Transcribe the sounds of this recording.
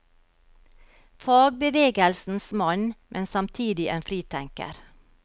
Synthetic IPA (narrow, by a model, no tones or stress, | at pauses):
fɑːɡ̚bəʋeːɡəlsn̩smɑnmʔɛnsɑmt̪ʰiːd̪ɪʔeːnfɾiːt̪ʰæŋkə̰ɾ